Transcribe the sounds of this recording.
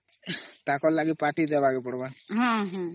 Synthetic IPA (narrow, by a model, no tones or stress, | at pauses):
t̪akɔɾlaɡipaʈid̪ɛbaɡepɔɽbaɦãɦɔ̃